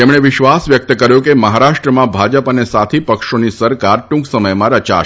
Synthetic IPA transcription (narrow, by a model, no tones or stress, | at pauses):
t̪emɳ̃eʋɪʃʋasʋjək̚t̪əkəɾjõkeməɦaɾaʃʈɾəmãbʱad͡ʒəpənesat̪ʰipəkʃonisəɾkaɾʈũŋksəməjmãɾət͡ʃa̰